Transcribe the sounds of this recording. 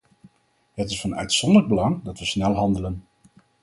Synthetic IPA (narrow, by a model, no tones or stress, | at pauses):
ɦətɪsfɑnœ̰ɥtsɔndələɡ̚bəlɑŋdɑtʋəsnɛlˠɦɑndələn